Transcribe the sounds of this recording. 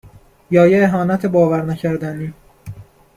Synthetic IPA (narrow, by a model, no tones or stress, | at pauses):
jɒːjeːɦɒːnæt̪ʰebɒːvæɾnæcʰæɾd̪æniː